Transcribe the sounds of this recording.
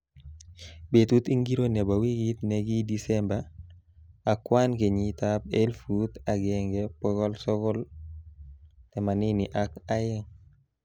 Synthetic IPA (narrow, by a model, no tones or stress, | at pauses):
betutiŋɡiɾonɛbawiɡit̪nɛɡidisɛmba | akwankeɲitap̚elfut̪aɡɛŋɡɛpɔɡɔlsɔɡɔl | tɛmaniniʔakajɛŋ